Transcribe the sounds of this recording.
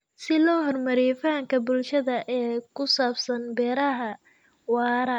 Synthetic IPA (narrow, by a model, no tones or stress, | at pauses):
sɪlɔːɦɔrmɐɾifaːŋkʰɐbʊlʃɐðɐʔɛːkʰʊsaːbsɐnbɛːɾɐɦɐ | wɑːɾɐ